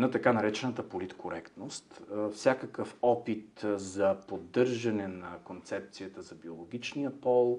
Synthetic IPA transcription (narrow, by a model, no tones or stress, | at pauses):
not̪ɐkanɐɾɛt͡ʃɛnət̪əpolit̪kʰoɾɛkt̪nost̪fsʲakəkəfɔpit̪zɐpod̪ːɤɾʒɐnɛnɐkont̪sɛp̚t̪sijət̪əzɐbiolˠoɡ̟ʲit͡ʃnijəpɔlˠ